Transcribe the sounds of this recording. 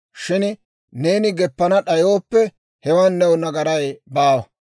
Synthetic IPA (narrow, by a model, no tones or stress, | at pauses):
ʃɪn | ne̞ːnɪɡɛpːɐnɐɗɐjoːpːɛ | hɛwɐnːɛwʊnɐɡɐɾɐjbaːwɐ